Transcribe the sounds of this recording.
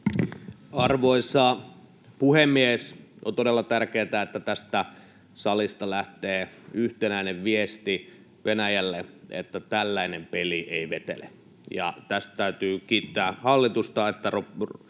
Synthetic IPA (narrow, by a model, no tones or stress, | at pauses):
ɑrʋoisɑ | puhemːiesʔo̰nt̪odelːɑt̪ærkeːt̪æet̪ːæt̪æst̪æ | sɑlist̪ɑlæht̪eːyht̪enæineʋʋiest̪i | ʋenæjælːeḛt̪ːæt̪ælːæinempeliʔeiʋet̪ḛlḛ | jɑ̰t̪æst̪t̪æyt̪yːkiːt̪ːæːhɑlːit̪ust̪ɑet̪ːærop